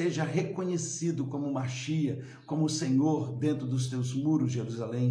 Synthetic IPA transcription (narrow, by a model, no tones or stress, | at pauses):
eʒɐɦekõɲesid̪ʊkõmʊmaʃiɐ | kõmʊːsẽɲoɾd̪ẽnt̪ɾʊd̪ʊst̪ewzmuɾʊzʒeɾuzalẽj̃